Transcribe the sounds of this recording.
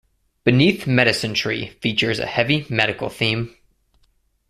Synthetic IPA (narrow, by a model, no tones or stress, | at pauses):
b̥ɨniθmɛɾɨsɨ̃ntʰɹ̥ḭfit͡ʃə˞zɨ̰hɛvimɛɾɨkl̩ˠθĩm